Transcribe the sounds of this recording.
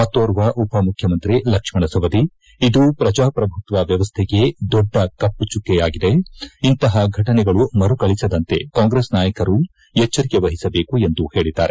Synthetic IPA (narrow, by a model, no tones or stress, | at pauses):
mɐt̪ːoːɾuʋɐʔupɐmukʰjɐmɐnt̪ɾilɐkʂmɐɳɐsɐʋɐd̪i | id̪upɾɐd͡ʒaːpɾɐbʱut̪ʋɐʋjɐʋɐst̪ʰɛɡe̞d̪ɔɖːɐkɐpːut͡ʃukːɛjaːɡid̪e̞int̪ɐɦɐɡʱɐʈɐnɛɡɐɭumɐɾukɐɭisɐd̪ɐnt̪e̞̰kaːŋɡɾeːsnaːjɐkɐɾu | ɛt͡ʃːɐɾikeʋɐɦisɐbe̞ːkue̞nd̪uhe̞ːɭid̪a̰ːɾe